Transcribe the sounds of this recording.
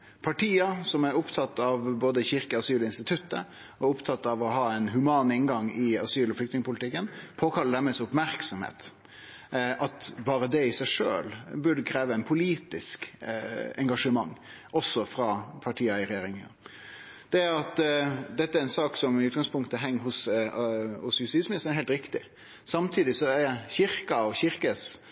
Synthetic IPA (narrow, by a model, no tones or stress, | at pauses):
pʰɑʈʰiːɑsɔmæɾʊpt̪ʰɑt̪ːɑʋboːd̪əçɪɾkəɑsyːlɪnst̪ɪt̪ʰʉt̪ːə̰ | ɔʊpt̪ʰɑt̪ːɑʋɔɦɑːɛɪnɦʉmɑːnɪnɡɑŋɪɑsyːlɔflʏkt̪nɪŋəpʰʊlɪt̪ʰɪkːənpʰoːkʰɑlːəɖæɾmɛsʊpmæɾksɔmhḛːt̪ | ʔɑt̪bɑːɾəd̪ɛɪsæɪʂø̰ːlbʉɖəkʰɾeːʋəɛɪnpʰʊliːt̪ɪsk | ɛŋɡɑʂəmɑŋː | ʔɔsːɔfɾɑpʰɑʈʰiːəɪɾɛjeːɾɪŋə̰ | d̪̥ɛæɾɑt̪d̪ɛt̪ːəæɾɛnsɑːksɔmɪʉːt̪̚ɡɑŋspʰʊŋkt̪əɦɛŋːɦʊs | hʊsjʉst̪iːsmɪnɪsənɛɾɦɛɪlt̪ɾɪkt̪ɪ | sɑmt̪ʰiːd̪ɪsɔæɾçɪɾkɑɔçɪɾkəs